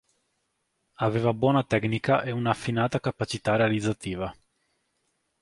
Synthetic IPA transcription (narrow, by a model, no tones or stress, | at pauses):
aveːvabwɔːnat̪ɛknikaʔeunaːfːinaːt̪akapat͡ʃit̪aɾealid̪zːat̪iːva